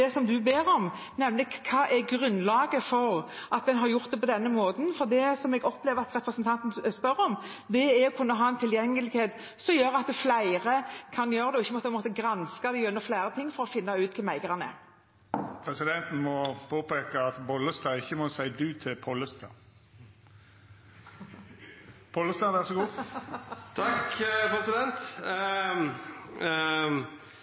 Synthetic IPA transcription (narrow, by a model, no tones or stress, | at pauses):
ɛsɔmd̪ʉbeːɾɔm | nɛmlɪkʰːɑːʔɛɡʁʉnːlɑːɡəfɔɾʔɑt̪̚d̪ɛnɦɑɾjʊʁt̪̚d̪ɛpʰɔd̪ɛnːəmoːd̪n̩fɔɾd̪ɛsɔmɛɡɔpleːʋəʁɑt̪ʁɛpɾəsnt̪ʰɑnt̪n̩spœɾːɔm | d̪ɛæɾɔkʰʉnːəɦɑːɛnt̪ʰɪljɛŋːəlɪɡheːt̪ | sɔmjøːɾɑt̪flæɪʁəkʰɑnjøːɾəd̪ɛɔɪçːəmɔt̪pʰɛnmɔːt̪əɡɾɑnskɑd̪ɛʉnd̪əflæɪɾət̪ʰɪŋːfɔɾɔfɪnːɑʉːt̪k̪ʰɛmæɪɡəʁɑnɛ̰ | pʰʁɛsɪd̪ɛnt̪n̩mɔpʰoːpeːkəɑt̪bɔlːəst̪ɑːɪçːəmɔsæɪd̪ʉːt̪ʰɪlpʰɔləst̪ʰɑ̰ | pʰɔləst̪ɑʋæʁsɔɡuː | t̪ʰɑkpɾɛsɪd̪ɛnt̪